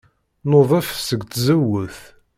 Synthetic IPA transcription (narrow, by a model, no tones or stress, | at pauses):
noðˤɑfsəɡt̪zəwəθ